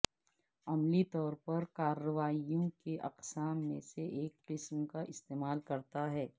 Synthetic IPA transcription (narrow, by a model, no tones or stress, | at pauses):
ɐmlit̪ɔːɾpɐɾkaːɾːəʋaːijõkeʔɐ̰qsaːmːẽseʔeːkqɪsmkaʔɪst̪eːmaːlkɐɾt̪aɦɛː